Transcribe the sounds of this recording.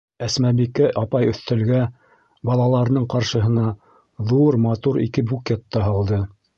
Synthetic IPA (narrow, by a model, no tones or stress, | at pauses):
æsmæbikæʔɑpɑjɵ̆θt̪ɘ̆lɡæ | bɑlˠɑlˠɑɾɤ̆nɤɴqɑɾʃɤ̆ɦɤ̆nɑ | ðuɾmɑt̪uɾḭkɘbukʲet̪ːɑɦɑlˠd̪ɤ